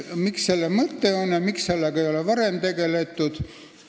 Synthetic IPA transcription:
miksse̞lːemɤt̪ːe̞o̞njɑmiksse̞lːeɡ̥ɑejo̞levɑɾemt̪e̞ɡe̞le̞t̪ːˑud̪̥

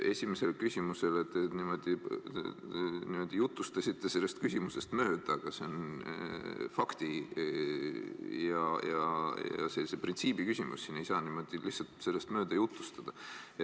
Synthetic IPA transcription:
e̞sʲime̞se̞lkysʲimuse̞let̪ːenimo̞d̪̥i | nimo̞d̪̥ijut̪ːˑust̪ɑsʲit̪ˑːe̞se̞lːe̞st̪kysʲimuse̞st̪mø̞ːd̪̥ɑɡ̥ɑse̞on | fɑkt̪i | jɑjɑ̰jɑ̰se̞lːiseprint̪siːb̥ikysʲimṵsːine̞jsɑːnimo̞d̪̥ilihtsɑlt̪se̞lːe̞st̪mø̞ːd̪̥ɑjut̪lust̪ɑd̪̥ɑ

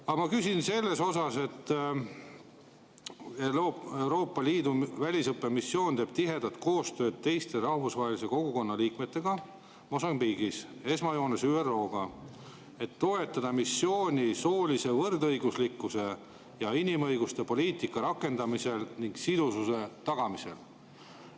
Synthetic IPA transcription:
ɑmɑkysʲinse̞lːe̞so̞sɑse̞t̪ː | ee̞wɾo̞ːpːˑɑliːd̪uvælʲisɤpːemisːjo̞ːnt̪eːb̥t̪iɦe̞d̪̥ɑt̪̚ko̞ːst̪ø̞ːd̪̥̚t̪e̞jst̪e̞ɾɑhmusvɑːɦelise̞ko̞ɡ̥uko̞nːɑliːkme̞t̪ːe̞ɡ̥ɑ | mo̞sɑmbiːɡ̥ise̞smɑjo̞ːnesyːerːo̞ːɡ̥ɑ | e̞t̪ːo̞e̞t̪ːˑɑd̪ɑmisːjo̞ːnʲiso̞ːlʲise̞vɤrd̪ɤ̞jɡ̥uslikːˑuse̞ | jɑinimɤ̞jɡ̥ust̪e̞po̞lʲiːt̪ikːˑɑɾɑkːˑe̞nd̪ɑmise̞lniŋɡsid̪̥ususe̞t̪ɑɡ̥ɑmise̞̰l

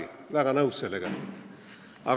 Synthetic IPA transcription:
i | laɣanauseleɣa | a̰ɣ

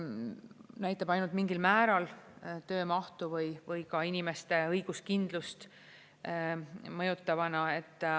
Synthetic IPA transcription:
næjt̪ːˑɑbɑjnult̪̚miŋɡilmæːɾɑlt̪ø̞ːmɑht̪uvɤjvɤjkɑinime̞st̪e̞ɤjɡ̥uskind̪̥lust̪ | mɤjut̪ːˑɑvɑnɑe̞t̪ːˑ

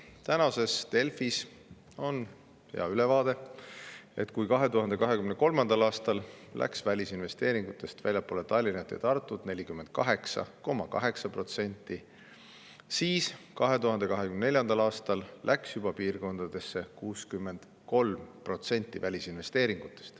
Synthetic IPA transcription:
t̪ænɑse̞st̪e̞lfis | o̞n | hḛɑ̰ylevɑːd̪̥e̞ | e̞t̪kujkɑɦe̞t̪uhɑnd̪e̞kɑɦe̞kymneko̞lmɑnd̪ɑlɑːst̪ɑllʔæ̰ksvælʲisinve̞st̪e̞ːɾiŋɡ̥ut̪ːˑe̞st̪vælʲjɑpːˑoːlet̪ɑlʲːinɑt̪ːˑḛt̪ɑrt̪ːˑud̪̥ne̞lʲikymːe̞nd̪̥̚kɑɦe̞ksɑ̰ko̞mːɑkɑ̰ɦe̞ksɑpro̞t̪senʲt̪ˑːi | siːskɑɦe̞t̪uɦɑnd̪e̞kɑɦe̞kymnne̞lʲjɑnd̪̥ɑlɑːst̪ɑllʔæksjub̥ɑpiːrko̞nd̪̥ɑd̪̥e̞sːe̞kuːskymːe̞nd̪̥ | ko̞lmpro̞t̪se̞nʲt̪ʲːˑivælʲisinve̞st̪e̞ːɾiŋɡ̥ut̪ːˑe̥st̪

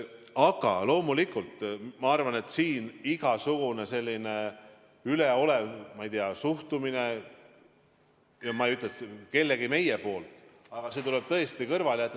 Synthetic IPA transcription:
ɑɡ̥ɑ̰lo̞ːmulikult̪mɑɑrvɑne̞t̪ːsiːniɡ̥ɑsuɡ̥une̞se̞lʲːine̞ | yleo̞levmɑjt̪iɑsuht̪umine̞ | jɑmɑejyt̪ːleke̞lːe̞ɡime̞je̞po̞ːlt̪ˑ | ɑɡ̥ɑse̞t̪ule̞b̥̚t̪ɤ̞est̪ikɤrvɑljæt̪ːˑ

